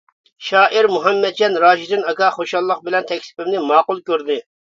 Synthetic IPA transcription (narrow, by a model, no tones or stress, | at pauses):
ʃɑːʔiɾmuɦɛmːɛd̪̚d͡ʒɑnɾɑːʒid̪ɪnɑkɑχoʃɑlˠːəqbɪlɛnt̪ʰɛkʲsɪ̥pɪmnɪmɑːqʊlˠkʲøɾd̪ɪ